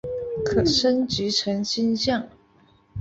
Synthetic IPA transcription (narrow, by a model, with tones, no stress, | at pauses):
kʰɤ˨˩ʂə˥nt͡ɕy˧˥ʈ͡ʂʰə˧˥ŋɕi˥nɕjɑ˥˩ŋ